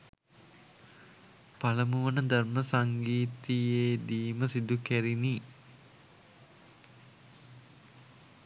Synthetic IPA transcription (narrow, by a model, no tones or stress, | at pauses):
paləmuʋənəd̪arməsaŋɡiːt̪ijeːd̪iːməsid̪ukæɾini